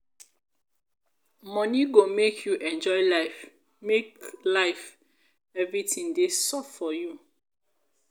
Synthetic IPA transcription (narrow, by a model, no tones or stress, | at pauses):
mɔ̃niɡomekʰjuʔɛ̃nd͡ʒɔɪla | meklaɪf | ɛvɹitĩŋdesɔffɔju